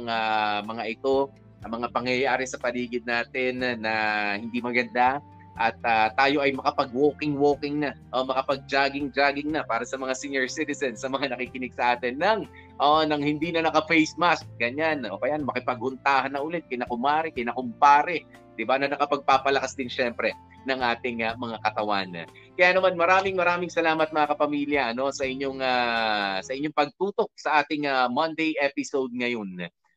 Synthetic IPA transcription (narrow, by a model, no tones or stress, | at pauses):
ɐŋamɐŋaʔɪt̪o̞ | ɐmɐŋapɐŋjɐjaːɾɪsɐpɐliːɡɪd̪̚naːt̪ɪnnːɐhɪnd̪imɐɡɐnd̪a | ʔɐt̪̚at̪ːaːjo̞ʔɐjmɐkɐpɐɡ̚wo̞ːkɪŋwoːkɪŋnɐʔomɐkɐpɐɡ̚d͡ʒaːɡɪŋd͡ʒaːɡɪŋnɐpaːɾɐsɐmɐŋasiɲjɛɹsit̪ɪsɛnsɐmɐŋanɐkikɪnɪɡ̥̚sɐʔaːt̪ɪnːɐŋ | ʔoʔnɐŋhɪnd̪iːnɐnɐkɐfɛjsmask̚ɡɐɲano̰ːkɐjanmɐkɪpɐɡ̚hʊnt̪aːhɐnːɐʔʊlɛt̪̚kɐjnɐkʊmaːɾɪkɐjnɐkʊmpaːɾɛ | d̪̥ɪbanɐnɐkɐpɐɡ̚paːpɐlɐkasd̪ɪnʃɛmpɾɛ | nɐŋʔaːt̪ɪŋɐmɐŋakɐt̪ɐwa̰n | kɐjaːnɐmanmɐɾaːmɪŋmɐɾaːmɪŋsɐlaːmɐt̪̚mɐŋakɐpɐmiːljɐʔɐno̞sɐʔɪɲːo̞ŋasɐʔɪɲːoŋpɐɡ̚t̪uːt̪o̞k̚sɐʔaːt̪ɪŋɐmɐnd̪ejʔɛpɪsowd̪̚ŋɐjo̞n